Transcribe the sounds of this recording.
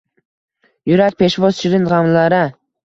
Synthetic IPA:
jʊɾak̚ʲpʰe̞ʃvɒz̥t͡ʃʰɪɾɪnʁɑmlaɾɪ

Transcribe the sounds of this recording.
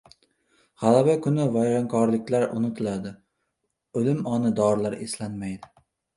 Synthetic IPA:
ʁ̥alabakʰʊnɪvajɾaŋkʰɒɾlɪkʲlaɾʊ̰nɪt̪ʰɪlad̪ɪ | ɵlɪmɒnɪd̪ɒɾlaɾeslanmajd̪ɪ

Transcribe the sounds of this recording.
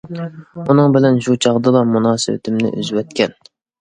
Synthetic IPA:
unɨŋbɪlɛnʃut͡ʃʰɑʁd̪ɨlˠɑmunɑːsɨ̰wɪ̰t̪ʰɪmnɪ̰ʔy̰zwɛt̪kʲʰɛn

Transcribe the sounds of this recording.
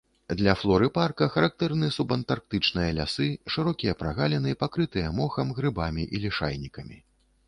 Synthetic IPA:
d̪lʲɐflˠɔɾɨparkɐxɐɾak̚t̪ɛrnɨsubɐnt̪ark̚t̪ɨt͡ʂnɨjɐlʲa̰sɨʂɨɾɔkʲijɐpɾaɣalʲɛnɨpakɾɨt̪ɨjɐmɔxɐmɣɾɨbamʲiʔilʲiʂa̰jnʲikɐmʲi

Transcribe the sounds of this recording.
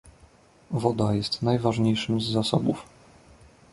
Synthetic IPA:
vɔd̪ajɛst̪najvaʐɲejʂɘmzːasɔbuf

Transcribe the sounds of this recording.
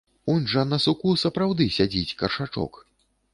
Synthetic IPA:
unʲʐɐnɐsukusɐpɾawd̪ɨsʲad͡zʲit͡sʲkɐrʂat͡ʂɔ̰k

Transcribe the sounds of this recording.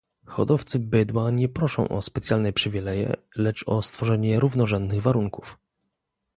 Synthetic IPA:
xɔ̰d̪ɔft̪sɘbɘd̪waɲɛpɾɔʂɔ̰̃w̃ʔɔ̰spɛt̪sʲjalnɛpʂɘvʲilɛjɛ̰ | lɛt͡ʂɔst̪fɔʐɛɲɛɾuvnɔʐɛnd̪nɘɣvaɾuŋkuf

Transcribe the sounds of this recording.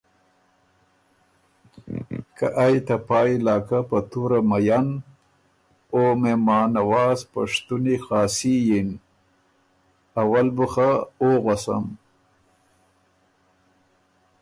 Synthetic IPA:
ka̰ʔajt̪apɑːilɑːkapat̪uɾamajan | omemɑːnawɑːzpa̰ʂt̪unixɑːsijin | awalbuxaoɣasa̰m

